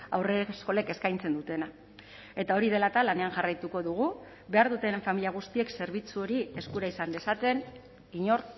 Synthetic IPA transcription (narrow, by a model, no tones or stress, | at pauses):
a̰wresko̞le̞ke̞skajnt͡se̞nd̪ut̪e̞na | e̞t̪ao̞ɾið̞e̞lat̪alane̞anʝarajt̪uko̞ðuɣ̞u | be̞aɾðut̪e̞ɱfamiliaɣ̞ust̪ie̞kse̞ɾβ̞it͡suo̞ɾie̞skuɾaisand̪e̞sat̪e̞n | iɲo̞ɾ